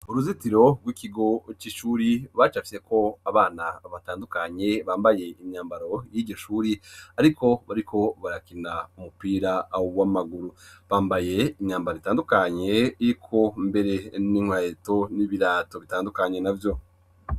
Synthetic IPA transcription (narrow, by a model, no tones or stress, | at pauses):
uɾuzitiɾo̞ɡwikiɡo̞t͡ʃiʃuːɾiβat͡ʃafi̥se̞ko̞aβaːnaβataːndukaɲe̞βaːmbaje̞iɲaːmbaɾo̞jiːɟo̞ʃuːɾiaɾikʰo̞βaɾikʰo̞βaɾakinaumupiːɾauwamaɡuɾuβaːmbaje̞iɲaːmbaɾozitaːndukaɲe̞iɾikʰo̞mbe̞ɾe̞niŋwajeto̞niβiɾaːto̞βitaːndukaɲe̞navjo̞